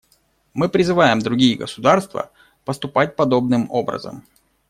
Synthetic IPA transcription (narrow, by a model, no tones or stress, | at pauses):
mɨpɾʲɪzɨvajɪmd̪ɾʊɡʲijəɡəsʊd̪arst̪və̰ | pəst̪ʊpat̚ʲpɐd̪o̞bnɨmo̞bɾə̰zə̰m